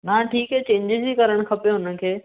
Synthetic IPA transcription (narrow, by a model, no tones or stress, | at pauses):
naʈʰiːkɦɛːt͡ɕẽːɲd͡ʑɪzikɐɾəɽ̃kʰɐpijoɦʊnə̆kʰeː